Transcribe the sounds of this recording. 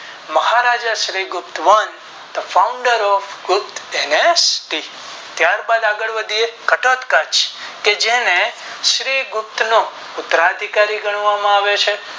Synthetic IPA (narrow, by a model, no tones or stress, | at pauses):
məhaɾad͡ʒaʃɾiɡʊpt̪ʋən | d̪əfaũɳɖəɾɔfɡʊp̚t̪enesʈi | t̪jaɾbad̪aɡəɭʋəd̪ʱiekəʈɔt̪kət͡ʃked͡ʒenẽ | ʃɾiɡʊp̚t̪no | ʊt̪əɾad̪ʱikaɾiɡəɽ̃ʋamãaʋet͡ʃʰe